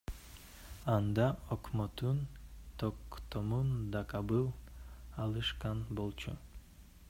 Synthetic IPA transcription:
ɑnd̪ɑokmot̪unt̪ʰokt̪omund̪ɑkɑbɯlˠɑlˠɯʃqɑnbo̞lˠt͡ʃʰu

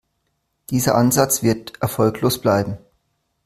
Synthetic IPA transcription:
d̥iːzɐ̰ʔanzat͡sv̥ɪɐtʔɛɐfɔlkloːsb̥laɪbm̩

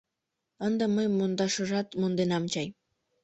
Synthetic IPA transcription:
ənd̪əməjmond̪ɑʃəʒɑt̪mond̪enɑmt͡ɕɑj

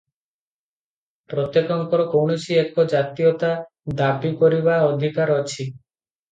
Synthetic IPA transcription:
pɾɔt̪jekɔŋkɔɾokowɳosiekɔd͡ʒat̪iot̪a | d̪abikɔɾibaɔd̪ʱikaɾɔt͡ʃʰi

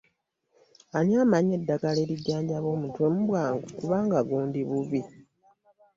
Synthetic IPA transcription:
anjaːmaɲe̞dːaɡale̞ːɾiɟːaːɲɟaβo̞ːmutwe̞muβwaːŋɡukuβaːŋɡaɡuːndiβuβi

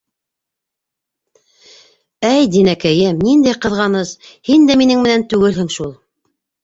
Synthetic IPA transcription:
æjd̪inækæjɘmnind̪æjqɤ̆ðʁɑnɤzhind̪æminɘŋmɘ̆nænt̪ʉɡɘlhɘŋʃulˠ

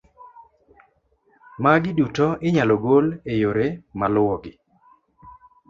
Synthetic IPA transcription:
maɡɪdutɔʔɪɲalɔɡolejoɾemalʊwɔɡɪ

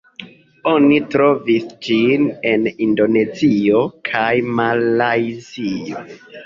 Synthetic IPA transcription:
o̞nitɾo̞visd͡ʒine̞nindo̞ne̞zio̞kʰajmalajzio

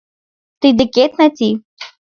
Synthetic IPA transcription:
t̪ɨd̪ɨkʲet̪nat̪ʲi

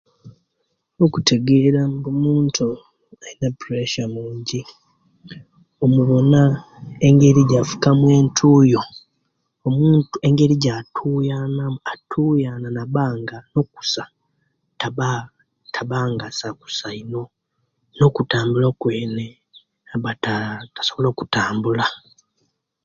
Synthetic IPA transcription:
o̞kutʰe̞ɡe̞ɾambumuːntʰu | ainapuɾeʃamuːɲɟi | omuβo̞na | e̞ŋɡe̞ɾiɟafu̥kamwe̞ːntʰuːjo̞ | omuːnte̞ŋɡe̞ɾiɟatʰuːjanaatʰuːjananaβaːŋɡano̞ku̥sa | taβa | tʰaβaːŋɡasaku̥saino̞ | no̞kutaːmbulokwe̞ːne̞ | aβatatḁso̞βolo̞ːkutaːmbula

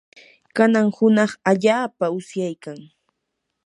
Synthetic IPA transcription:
kanaŋhʊnɑχaʎaːpaʊsjajkaŋ

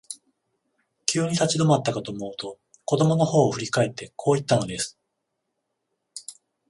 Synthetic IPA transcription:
kʲʰɨːɲ̟it̪at͡ɕid̪o̞mat̪ːakat̪oːmo̞ɯ̟t̪o̞ | ko̞d̪o̞mo̞no̞ho̞ːɸɯ̟ɾʲikae̞t̪ːe̞kʰo̞ːit̪ːano̞d̪e̞sɨ̥

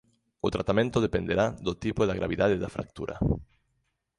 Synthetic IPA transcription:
ʊt̪ɾat̪amẽnt̪ʊðepend̪eɾaðot̪ipoðaɣɾa̰βiðaðeðafɾa̰k̚t̪ṵɾʔɐ̰

